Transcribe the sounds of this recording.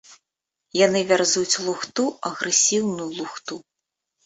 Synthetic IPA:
janɨvʲarzut͡sʲlˠuxt̪uɐɣɾɨsʲiwnujulˠuxt̪u

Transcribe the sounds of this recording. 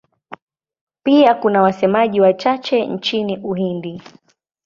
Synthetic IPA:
piakunawasɛmaʄiwat͡ʃat͡ʃɛnt͡ʃiniʔuɦindi

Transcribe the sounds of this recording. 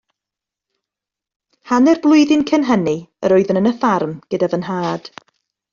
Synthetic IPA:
hanɛrblˠʊɨðɪnkʰənɦəniə̰ɾɔɨðənənəθarmɡ̥ədavənɦaːd̥

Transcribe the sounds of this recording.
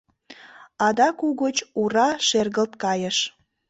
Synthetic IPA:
ɑd̪ɑkuɣot͡ɕurɑʃerɣəlt̪kɑjəʃ

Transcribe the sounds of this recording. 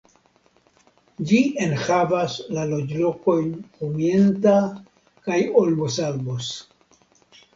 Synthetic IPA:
d͡ʒie̞nhavaslalo̞d͡ʒlo̞ko̞jnkomie̞nta | kajo̞lbosalbos

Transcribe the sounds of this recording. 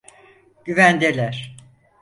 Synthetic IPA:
ɟ̥yvænd̪elʲæɾ̥

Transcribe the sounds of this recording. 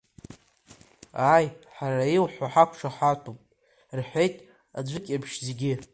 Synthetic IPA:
ajħaɾailħʷaħakʷʰʂaħatʰupʼ | rħʷejtʼ | ad͡ʒʷɨkʲʼabʰʃzeɡʲɪ

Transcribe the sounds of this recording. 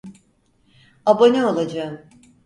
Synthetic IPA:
abonʲɛolˠad͡ʒaɯm

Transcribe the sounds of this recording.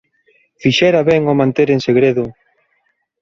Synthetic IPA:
fiʃɛɾaβɛŋomãnt̪eɾeŋseɣɾeðʊ

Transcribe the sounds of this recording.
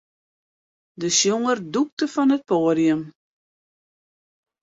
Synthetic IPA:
dəsjoŋərduk̚təfɔnət̚poːdiəm

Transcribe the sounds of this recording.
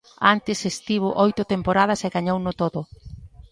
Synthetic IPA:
ant̪ɪsest̪iβ̞ʊʔojt̪ʊt̪empoɾað̞ɐseɣaɲownʊt̪oðʊ

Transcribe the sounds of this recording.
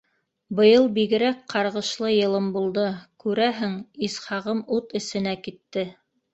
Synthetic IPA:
bɤ̆jɤlˠbiɡɘ̆ɾækqɑɾʁɤ̆ʃlˠɤjɤ̆lˠɤmbulˠd̪ɤkʉɾæɦɘŋisχɑʁɤmut̪ɘ̆sɘ̆nækit̪ːɘ

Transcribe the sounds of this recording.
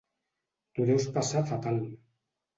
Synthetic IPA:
d̪̥uɾewspasat̪at̪al

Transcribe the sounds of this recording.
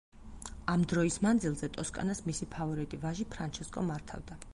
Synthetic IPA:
amd̪ɾɔismand̪zilˠzɛt̪ʼɔskʼa̰nasmisipʰavɔɾit̪ʼivaʒipʰɾant͡ʃʰɛskʼɔmaɾt̪ʰa̰vd̪a

